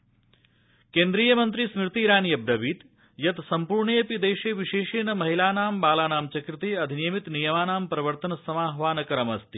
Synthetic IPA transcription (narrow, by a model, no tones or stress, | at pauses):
keːnd̪ɾiːjɐmɐnt̪ɾismɾɪt̪iːɾaːnjɐb̚d̪ɐbiːt̪ | jɐt̪sɐmpuːɾɳejɐpid̪eːʃeːʋiʃeːʃeːnɐmɐɦilaːnaːmbaːlaːnaːmt͡ʃɐkɾit̪eːɐd̪ʱineːmit̪nijɐmaːnaːmpɾɐʋɐɾt̪ɐnɐsɐmaːɦʋaːnɐkɐɾɐmɐst̪i